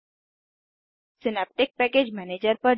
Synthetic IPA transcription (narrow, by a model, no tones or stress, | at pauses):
sɪnɛp̚ʈɪk̚pɛːkeːd͡ʒmɛːneːd͡ʒəɾpɐɾ